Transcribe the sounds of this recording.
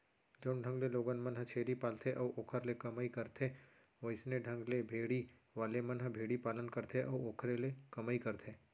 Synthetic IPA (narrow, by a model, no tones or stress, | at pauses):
d͡ʒoːnɖʱə̃ŋɡleloːɡənmɐnɦət͡ʃʰeːɾipaːlt̪ʰeʔɔːʔoːkʰəɾlekɐmaːikɐɾt̪ʰe | ʋəɪsneɖʱə̃ŋɡlebʱeːɽiʋaːlemɐnɦəbʱeːɽipaːlənkɐɾt̪ʰeʔɔːoːkʰɾelekɐmaːikɐɾt̪ʰeː